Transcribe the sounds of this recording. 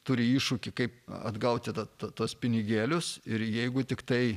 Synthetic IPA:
t̪uːɾʲɪiːʃʊkʲɪkɐɪpɐ̰d̪ɡɐʊt̪ʲɪt̪ɐt̪ɐt̪uɔspʲɪnʲɪɡʲeːlʲʊsɪɾjɛɪɡʊt̪ʲɪkt̪ɐɪ

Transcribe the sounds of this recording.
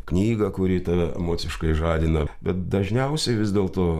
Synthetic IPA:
knʲiːɡɐkʊɾʲiːt̪ɐʋʲɛɛ̰moːt͡s̪ʲɪʃkɐɪʒɑːd̪ʲɪnɐbʲɛt̪̚d̪ɐʒʲnʲɛʊsʲɛɪʋʲɪzʲd̪ʲeːlˠt̪oː

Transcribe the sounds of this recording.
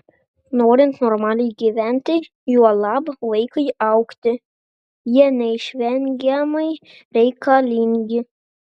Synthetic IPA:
noːɾʲɪnt̪nɔɾmɑːlʲɛjɡʲiʋʲænʲt̪ʲɛj | juɔlˠɑbʋɐɪkɐjɑʊkt̪ʲɪ | jiɛnʲɛɪʃʲʋʲɛŋʲɡʲɛmɐj | ɾʲɛɪkɑlʲiŋʲɡʲɪ

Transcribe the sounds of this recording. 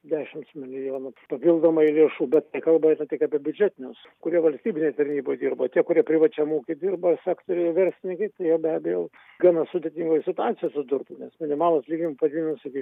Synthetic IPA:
d̪ʲæːʃʲɪmt̪smʲɪlʲɪjoːnʊpɐpʲiːlˠd̪oːmɐɪlʲiɛʃuːbʲɛt̪t̪ɐɪkɐlˠbɐɐɪnɐt̪ʲɪkɐpʲiɛbʲʊd͡ʒʲæːt̪ʲɪnʲɛs | kʊɾʲiɛʋɐlʲsʲt̪ʲiːbʲɪnʲeɪt̪ɐrʲnʲiːboːjd̪ʲiːrbot̪ʲiɛkʊɾʲiɛpʲɾʲɪʋɐt͡ʃʲɛmuːkʲɪd̪ʲirbɐsʲæːkt̪oɾʲɛʋʲɛɾʲsʲlʲɪnʲɪŋkɐɪt̪ɐɪjɛʊbʲæːbʲɛjo | ɡɑnɐsʊd̪ʲeːt̪ʲiŋɡoːjsʲɪt̪ʊɑːt̪sʲɪjosʊd̪ʊrt̪ʊnʲɛsmʲɪnʲɪmɑːlˠoːslʲiːɡʲnʲɪmpɐd̪ʲinʲnʊsʲɪkʲi

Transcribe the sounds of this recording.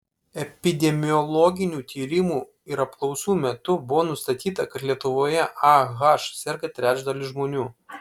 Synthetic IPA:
ɛpʲɪd̪ʲɛmʲɪjɔlˠɔɡʲɪnʲuːt̪ʲiːɾʲɪmuː | ɪɾɐp̚klˠɒʊsuːmʲɛt̪ʊbʊʋoːnʊst̪ɐt̪ʲiːt̪ɐkɐt̪lʲiɛt̪ʊʋoːjɛʔɑɣɐʃsʲɛɾʲɡɐt̪ʲɾʲæːd͡ʒd̪ɐlʲɪʒmoːnʲuː

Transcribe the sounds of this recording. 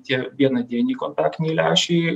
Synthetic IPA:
t̪ʲiɛʋʲiɛnɐd̪ʲiɛnʲiːkont̪ɑːkt̪ʲnʲɛiɪlʲæːʃʲɛɪ

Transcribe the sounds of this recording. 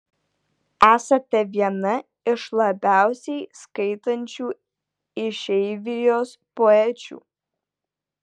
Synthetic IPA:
æːsɐt̪ʲɛʋʲiɛnɐ | ɪʃlˠɐbʲæˑʊsʲɛɪskɐɪt̪ɐnʲt͡ʃʲuː | ɪʃʲɛɪʋʲɪjoːspoɛt͡ʃʲṵː

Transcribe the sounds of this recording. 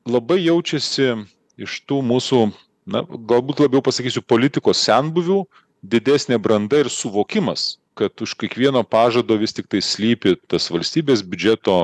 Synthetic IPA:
lˠɐbɐɪjɛʊt͡ʃʲɛsʲɪ | ɪʃt̪uːmuːsuː | nɐ̰ɡɐlˠbuːt̪lˠɐbʲjɛʊpɐsɐkʲiːsʲʊpoːlʲɪt̪ʲɪkoːssʲɛnbʊʋʲuː | d̪ʲɪd̪ʲæːsʲnʲeːbɾɐnd̪ɐɪɾsʊʋoːkʲɪmɐs | kɐt̪ʊʃkʲeɛkʋʲiɛnoːpɑːʒɐd̪oːʋʲɪst̪ʲɪk̚t̪ɐɪsʲlʲiːpʲɪt̪ɐsʋɐlʲsʲt̪ʲiːbʲeːs̬bʲʉd͡ʒʲɛt̪oː

